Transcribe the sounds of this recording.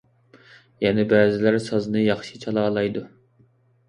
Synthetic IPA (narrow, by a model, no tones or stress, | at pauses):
jɛnɛbæːzɪlæɾsɑznɨjɑχʃit͡ʃʰɑlˠɑːlˠɑjd̪u